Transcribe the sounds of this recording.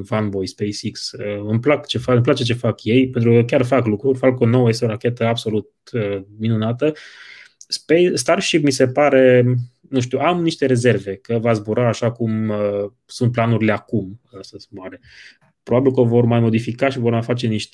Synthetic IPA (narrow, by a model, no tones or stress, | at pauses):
vanbo̞jspejsiksəɨmplakt͡ʃe̞faɨmplat͡ʃe̞t͡ʃe̞fakje̞jpe̞nt̪ɾukəkʲarfaklukɾurʲfakəonowəjest̪eo̞ɾakʲe̞t̪əabso̞lut̪̚əminunat̪ə | spejst̪arʃipmise̞paɾe̞ | nũʃt̪iuamniʃt̪e̞ɾe̞ze̞rve̞kəvazbuɾaːʃakumə | sunt̪̚planuɾileakuməsəsbuaɾe | pɾobabilkəovo̞rmajmo̞d̪ifikaʃivo̞rmajfat͡ʃe̞niʃt̪